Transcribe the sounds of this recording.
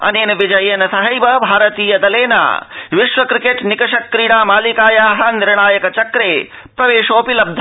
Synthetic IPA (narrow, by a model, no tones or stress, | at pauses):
ɐ̰neːnɐʋid͡ʒɐjeːnɐsɐɦɐjbɐbʱaːɾɐt̪iːjɐd̪ɐleːnɐ̰ʋiʃʋɐkɾikeʈnikɐʃɐkɾiːɽaːmaːlikaːjaːɦɐ̆niɾɳaːjɐkɐt͡ʃɐkɾeː | pɾɐʋeːʃoːpilɐb̚d̪ʱ